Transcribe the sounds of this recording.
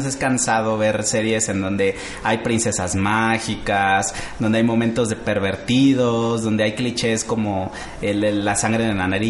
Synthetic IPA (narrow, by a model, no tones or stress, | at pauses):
s̬e̞skansað̞o̞βe̞ɾse̞ɾje̞se̞nd̪o̞nd̪e̞ | ajpɾinse̞sazmaxikazd̪o̞nd̪e̞ajmo̞mẽnt̪o̞zðe̞pe̞ɾβe̞ɾt̪iðozðo̞nd̪e̞ajklit͡ʃe̞sko̞mo̞ | eleasaŋɡɾe̞ðenanaɾi